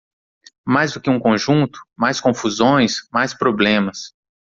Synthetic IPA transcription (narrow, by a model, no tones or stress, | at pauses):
majzd̪ʊkɪũkõʒũnt̪ʊ̥majskõfuzõj̃smajspɾoblẽmɐs